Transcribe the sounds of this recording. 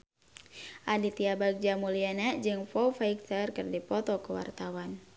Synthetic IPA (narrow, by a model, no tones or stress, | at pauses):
ʔadit̪iabaɡ̚d͡ʒamulianad͡ʒɨŋfɔwfaik̚t̪ərkɨrdipɔt̪ɔkəwa̰rt̪awan